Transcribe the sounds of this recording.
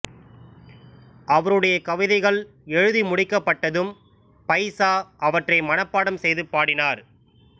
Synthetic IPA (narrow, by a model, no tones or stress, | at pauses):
ɐʋɐɾɯɽɐjɐkɐʋɪðɐɪɣɐɭ | ɛɻɯðimʊɽɪkːɐpːɐʈːɐðɯm | pɐɪsaːʔɐʋɐʈrɐɪmɐnɐpːaːɽɐmsɛjðɯpːaːɽɪnaːɾ